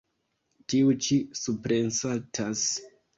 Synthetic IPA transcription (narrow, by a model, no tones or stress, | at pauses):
tiut͡ʃisupɾensatʰas